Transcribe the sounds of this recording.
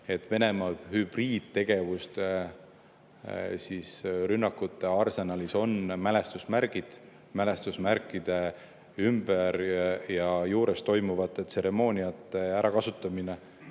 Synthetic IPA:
e̞t̪ːˑve̞ne̞mɑhyb̥riːd̪̥̚t̪ːe̞ɡ̥e̞vust̪ | sisrynːɑkːˑut̪ːe̞ɑrse̞nɑliso̞nmæle̞st̪usmæɾɡ̥id̪̥ | mæle̞st̪usmæɾkːˑid̪̥e̞ | ymb̥eɾjɑjuːɾest̪ːo̞jmuvɑt̪ˑːet̪ːˑse̞ɾe̞mo̞ːnʲiɑt̪ːˑe̞æɾʔɑkɑsut̪ːˑɑmine

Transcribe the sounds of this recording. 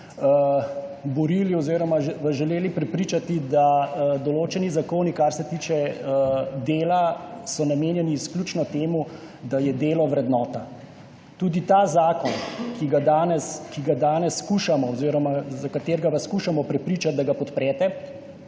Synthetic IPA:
bɔɾiːliɔziːɾɔmaʋaʒɛleːlipɾɛpɾiːt͡ʃat̪id̪ad̪ɔloːt͡ʃɛnizakoːnikaɾsɛt̪iːt͡ʃɛ | d̪eːlasɔnameːnjɛniːsklʲuːt͡ʃnɔt̪eːmu | d̪ajɛd̪eːlɔʋɾɛd̪nɔːt̪a | t̪uːd̪it̪aːzaːkɔnkiɡad̪aːnɛskiɡad̪aːnɛsːkuːʃamɔɔziɾɔmazakat̪eːɾɡaʋaskuːʃamɔpɾɛpɾiːt͡ʃad̪̚d̪aɡapɔt̪pɾɛːt̪ɛ

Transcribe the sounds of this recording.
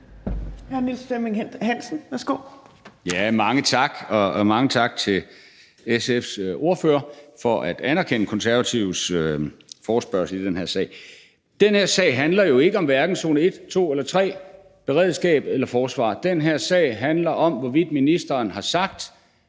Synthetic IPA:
jiɑnyd̥sd̥emeŋehæn̰sn̩ʋæɐsɡ̥o̰ːjæmɑ̈ŋət͡sʰɑ̈ɡ̥ɒ̽mɑ̈ŋət͡sʰɑ̈ɡ̥̚t͡sʰe̝l | esefso̝ɐføːɐfɒ̽ʔæd̥ænæɐkʰen̰əkʰɒ̽nsæɐʋæt͡sʰiʊ̰søfɒːsb̥ɶɐ̰sl̩id̥enheɐ̰sɛ̰ːɪ | d̥enheɐ̰sɛ̰ːɪɦænlɐjo̝e̝ɡ̥əɒ̽mʋæɐɡ̥n̩so̝ːnəe̝d̥t͡sʰo̝̰ːelɐt͡sʰʁɛ̰ː | b̥e̝ʁɛ̰ð̰ˠsɡ̥ɛ̰ːb̥elɐfɒːsʋɑ̰̈ːd̥enɦeɐ̰sɛ̰ɪɦænlɐʔɒ̽mʋɒʋid̥ˠminisd̥ɐːnhɑ̈sɑ̈ɡ̥̚d̥

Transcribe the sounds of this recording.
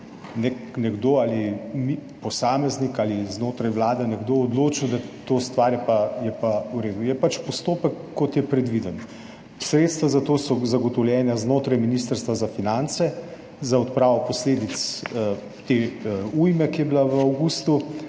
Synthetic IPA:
nɛknɛɡd̪oːaːlimipɔsaːmɛznikaliznoːt̪ɾajwlaːd̪anɛɡd̪oːd̪loːt͡ʃiwd̪at̪oːst̪ʋaːɾjɛpajɛpauɾeːd̪ujɛpat͡ʃpɔst̪oːpəkːɔt̪jɛpɾɛd̪ʋid̪ən | sɾeːt̪st̪ʋazat̪oːsɔzaɡɔt̪ɔwljɛːnjaznoːt̪ɾajminist̪əɾst̪ʋazafinant̪sɛ | zaɔt̪̚pɾaːʋɔpɔsleːd̪it̪s | t̪eujmɛkijɛbilaʋəawɡust̪u

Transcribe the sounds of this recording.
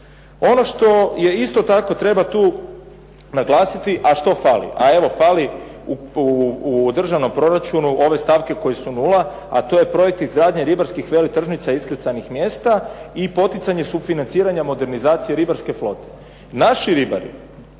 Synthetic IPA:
o̞no̞ʃt̪o̞je̞ist̪o̞t̪ako̞t̪ɾe̞bat̪uː | naɡlˠaːsit̪iʔaʃt̪o̞falḭʔa̰e̞ʋo̞fali | u | d̪r̩ʒaʋno̞mpɾo̞ɾat͡ʃunuʔo̞ʋe̞st̪aːʋke̞ko̞jesunulˠa | at̪o̞je̞pɾo̞jek̚t̪izɡɾaːd̪ɲeɾibaɾskixʋe̞lit̪r̩ʒnit̪saiskɾit̪sanixmje̞ːst̪aipo̞t̪it̪saɲe̞sufinant̪siːɾaɲamo̞d̪e̞ɾnizaːt̪sije̞ɾibaɾske̞flˠo̞t̪e̥ | naʃiɾiba̰ɾḭ

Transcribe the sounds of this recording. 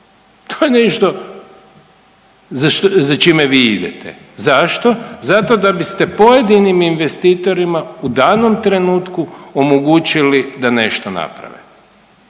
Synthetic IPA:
t̪ʰoːjeneʃt̪o̞ | zaʃt̪zat͡ʃimeʋiːid̪ḛt̪ʰḛ | zaʃt̪o̞zat̪o̞d̪abist̪e̞po̞je̞d̪iniminʋest̪iːt̪o̞ɾimaud̪aːnomt̪ɾe̞nuːt̪kuomoɡut͡ʃilid̪ane̞ʃt̪ona̰pɾa̰ʋḛ

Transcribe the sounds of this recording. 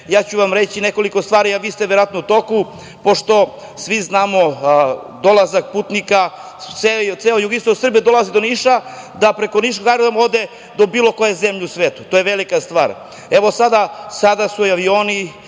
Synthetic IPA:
jaːt͡ɕuʋamɾe̞t͡ɕineko̞liko̞st̪ʋaːɾiaʋiːst̪eʋeɾoat̪nout̪o̞ku | poʂt̪o̞ | sʋiznaːmo̞ | d̪o̞lˠazak̚puːt̪nika | seselojuɡinst̪osr̩bied̪o̞lˠazid̪o̞niʃad̪apɾe̞koniʃ̬oɡajɾoʋamod̪e | d̪o̞biːlˠo̞kojezemʎeusʋeːt̪u̥t̪ojeʋelikast̪ʋa̰ːɾ | eʋosad̪asad̪asuaʋioːni

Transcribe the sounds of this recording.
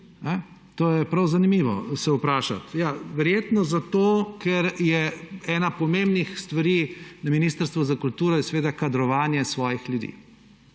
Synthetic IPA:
nɛ | t̪oːjɛpɾɐwzanimiːʋɔ̰sɛʊpɾaːʃa̰t̪jaːʋɛɾjeːt̪nɔzat̪oːkʰɛɾjɛɛːnapɔmembnixst̪ʋɐɾiːnɐminiːst̪əɾst̪ʋɔzakult̪uːɾɔjɛsʋeːd̪akad̪ɾɔʋaːnjɛsʋɔːjixljud̪ḭː

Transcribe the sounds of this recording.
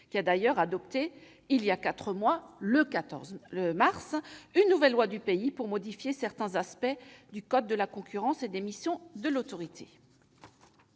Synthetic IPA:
kʲiad̪ajœʁad̪ɔp̚t̪e | iljakat̪χəmwaləkaɔ̰əmaʁsynːuvɛlːwad̪ypeipuʁmɔd̪ifjesɛʁt̪ɛ̃zaspɛd̪ykɔd̪̚ːəlakɔ̃kʲyʁɑ̃sed̪emisjɔ̃d̪əlot̪ɔʁit̪ʰe

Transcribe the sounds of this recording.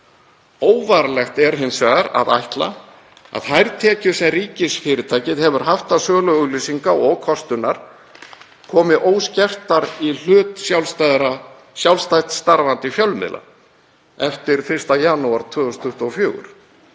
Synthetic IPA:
oːwvaɾlɛxt̪ɛɾ̥ɦɪnːsɛɣaɾa̰ða̰jht̪la̰ | a̰ðhajɾt̪ʰɛːcʏsɛmriːcɪsfɪːɾɪt̪ʰaːjcɪðhɛvʏɾ̥ɦaft̪asœːɣlœɣʏɣliːsiŋkaɔɣkʰɔst̪ʏnaɾ̥ | kʰɔːmɪʔoːwscɛft̪aɾil̥ʏːt̪sjawlst̪aðɾa | sjawlst̪ajt̪st̪aɾvant̪ɪfjœlmɪ̰lʔa̰ | ɛft̪ɪɾ̥fɪr̥st̪ajanuaɾ̥t̪ʰvʏːɣɔst̪ʰʏht̪uɔfjoːɣʏ̰ɾ̥

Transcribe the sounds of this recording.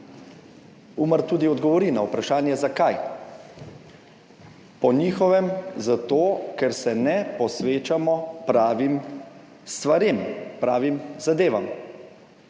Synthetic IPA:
uːməɾt̪uːd̪iɔd̪ɡɔʋɔɾinaupɾaʃaːnjɛzakaj | pɔniːxɔʋɛmzat̪oːkɛɾsɛnɛpɔsʋeːt͡ʃamɔpɾaːʋim | st̪ʋaɾempɾaːʋimzad̪eːʋam

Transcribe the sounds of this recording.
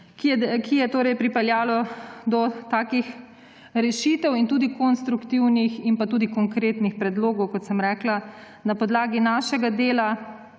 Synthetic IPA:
kijɛkijɛt̪oːɾɛjpɾipɛljaːlɔd̪ɔt̪aːkix | ɾɛʃiːt̪ɛwint̪uːd̪ikɔnst̪ɾukt̪iwniximpat̪uːd̪ikɔŋkɾeːt̪nixpɾɛd̪loːɡɔwkɔt̪sɛmɾɛːkla | napɔd̪laːɡinaːʃɛɡad̪eːla

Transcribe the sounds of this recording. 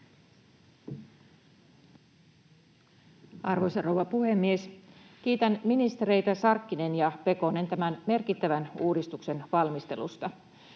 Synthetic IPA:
ɑrʋojsɑrowʋɑpuhe̞mːie̞sk̟iːt̪ænminist̪e̞ɾe̞jt̪æsɑrkːine̞njɑpe̞ko̞ne̞nt̪æmænme̞rkit̪ːæʋænuːdist̪ukse̞nʋɑlmist̪e̞̰lṵst̪ɑ

